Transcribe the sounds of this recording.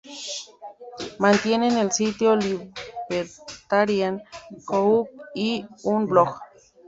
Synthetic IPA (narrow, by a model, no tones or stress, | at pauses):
mant̪jenenelsit̪joliβeɾt̪aɾjankouk̚iunblok